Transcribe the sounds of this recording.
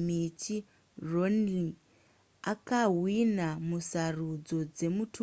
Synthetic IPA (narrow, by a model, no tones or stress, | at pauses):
mit͡ʃi | ronli | akaɦwinamusarud͡zo̞d͡ze̞mutu